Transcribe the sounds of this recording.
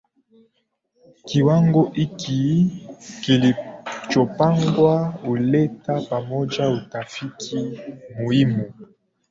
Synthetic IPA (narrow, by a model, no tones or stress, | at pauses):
kiwaŋɡoʔikʰi | kilit͡ʃopaŋɡwaoletapamɔd͡ʒaotafikʰimoimo